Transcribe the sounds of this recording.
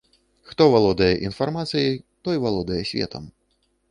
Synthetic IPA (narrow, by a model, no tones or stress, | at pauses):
xt̪ɔvalˠɔd̪ɐjɛʔinfarmat̪sɨjit̪ɔjvalˠɔd̪ɐjɛsʲvʲɛ̰t̪ʰɐ̰m